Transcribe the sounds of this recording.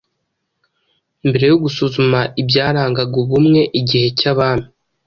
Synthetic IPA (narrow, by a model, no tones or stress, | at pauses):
imbe̞ɾe̞joɡusuzumaʔibjaːɾaːŋɡaɡoβumŋe̞ʔiɟihe̞caβaːn̥i